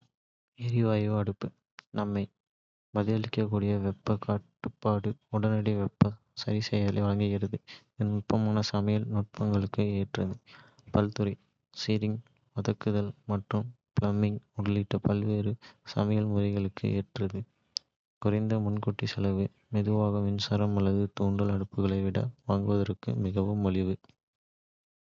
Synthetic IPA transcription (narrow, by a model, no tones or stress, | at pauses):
ɛɾɪʋɐjʋɯɐɽɯpːɯ | nɐmːɐɪ | bɐðɪɐɭɪkːɐkːuːɽɪjɐʋɛpːɐkaːʈːɯpːaːɽɯʊɽɐnɐɽiʋɛpːɐ | sɐɾɪsɛjɐðɐlɐɪʋɐɭɐŋɡɪɣɪɾɐðɯ | ɛnʊʈ̚pːɐmaːnɐsɐmɐjɐlnʊʈ̚pɐŋɡɐɭɯkːɯeːʈrɐðɯ | pɐlt̪ɯɾɐɪ | siːɾɪŋ | ʋɐðɐkːɯðɐlmɐʈrɯm | plɐmːɪŋʊɽɐliʈːɐpɐlʋeːɾɯsɐ̰mɐjɐlmʊɾɐɪɣɐɭɯkːɯ̰ʔeːʈrɐðɯ | kʊrɐɪnd̪ɐmʊnkʊʈːisɐlɐʋɯ | mɛðɯʋaːɣɐʋɪnsɐɾɐmɐlːɐðɯt̪uːɳɖɐlɐɽɯpːɯɣɐɭɐɪʋɪɽɐ̰ʋaːŋɡɯʋɐðɐɾɯkːɯ̰mɪɣɐʋɯmɐlɪʋɯ